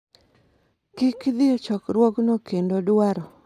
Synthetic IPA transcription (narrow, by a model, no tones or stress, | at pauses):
kɪkd̪ɪɔt͡ʃɔkɾwɔknokendodaɾɔ